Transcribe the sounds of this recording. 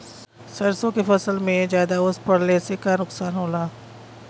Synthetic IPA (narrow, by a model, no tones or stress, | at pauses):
sɐɾsõkefɐsəlmẽzjaːd̪aʊspɐɽlesekanʊksaːnɦoːlaː